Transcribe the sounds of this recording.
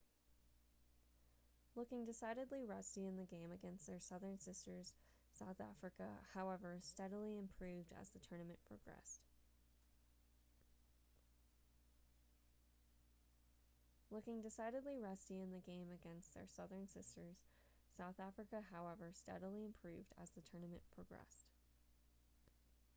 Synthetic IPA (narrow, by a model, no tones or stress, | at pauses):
lʊkɪ̃ŋdɨsaɪɾɨdˡliɹʌstiɨ̃nðɨɡẽɪ̃mɨɡɛ̃nst̪̚ðə˞sʌðə̃˞nsɪstə˞z̥ | saʊθæ̰fɹɨkə̰haʊɛvə˞stɛɾl̩ˠiɨ̃mpʰɹ̥ʉvdɨ̰zðɨtʰɜ˞nɨmɨ̃npʰɹ̥oɡɹɛ̰st | lʊkɪ̃ŋdɨsaɪɾɨdˡliɹɛstiɨ̃nðɨɡẽɪ̃mɨɡɛ̃nst̪̚ðə̰˞sʌðə̃˞nsɪstə˞z̥ | saʊθæfɹɨkɨɦaʊɛvə˞stɛ̰ɾl̩ˠiɨ̃mpʰɹ̥ʉvdɨ̰zðɨtʰɜ˞nɨmɨ̰̃npʰɹ̥əɡɹɛ̰st